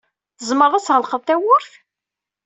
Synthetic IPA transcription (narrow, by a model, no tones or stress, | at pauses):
θəzməɾˤæsʁəlqəðθæwʊɾθ